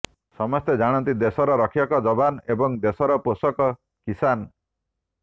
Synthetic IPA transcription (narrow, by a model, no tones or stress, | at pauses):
sɔmɔst̪ed͡ʒaɽ̃ɔnt̪id̪esɔɾɔɾɔkʰijɔkɔd͡ʒɔbanebɔŋd̪esɔɾɔposɔkɔ | kisan